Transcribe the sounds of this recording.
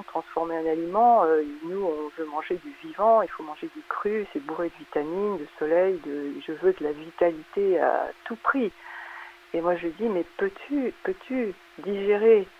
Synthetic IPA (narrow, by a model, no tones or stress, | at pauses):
t̪χɑ̃sfɔʁmeɛ̃nalimɑ̃ønuɔ̃vømɑ̃ʒed̪yvivɑ̃ilfomɑ̃ʒed̪ekχysebuʁed̪əvit̪amind̪əsɔlɛjd̪əʒəvød̪əlavit̪alit̪ea̰t̪upχi | emwaʒəəd̪imɛpøt̪ʰypøt̪ʰy | d̪iʒeʁe